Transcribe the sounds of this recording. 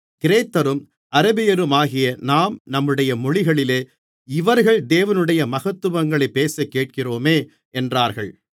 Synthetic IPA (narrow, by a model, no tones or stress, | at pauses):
kɪɾeːt̪ːɐɾɯm | ʔɐɾɐbɪjɐɾɯmaːɣɪjɐnaːmnɐmːɯɽɐjɐmɔɻɪɣɐɭɪleː | ɪʋɐɾɣɐɭd̪eːʋɐnɯɽɐjɐmɐɣɐt̪ːɯʋɐŋɡɐɭɐɪpːeːsɐkːeːʈ̚kɪroːmeː | ɛndraːɾɣɐɭ